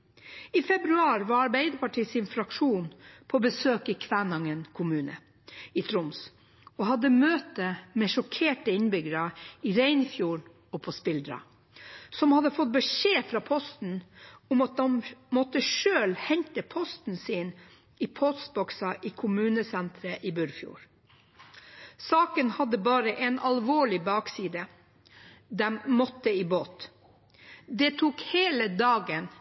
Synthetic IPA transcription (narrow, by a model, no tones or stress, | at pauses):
iːfɛbɾʉɑːɾʋɑɾɑɾbeɪd̪əpɑʈʰiːsɪnfɾɑkʂuːnpʰoːbəsøːkɪkʰʋænɑŋənkʰʊmʉːnə̰ | ɪt̪ʰɾʊms | ɔhɑd̪ːəmøːt̪əmɛːʂɔkʰeːʈəɪnbʏɡəɾəɪɾæɪnfjuːɾ | ɔpʰɔspɪld̪ɾɑ̰ | sɔmhɑd̪ːəfɔt̪̚bəʂeːfɾɑːpʰɔst̪n̩ʊmɑt̪̚d̪ɛmmɔt̪ːəʃøːlhɛɲt̪əpʰɔst̪n̩siːn | iːpʰɔsbɔksɑʔiːkʰʊmʉːnəsɛnt̪ɾəʔibʉɾfjṵːɾ | sɑːkənhɑd̪ːəbɑːɾəʔɛnɑlʋoːɭɪbɑːksiːd̪ə | d̪ɛmmɔt̪ːəiːboːt̪ | d̪ɛt̪ʰuːkheːləd̪ɑːɡən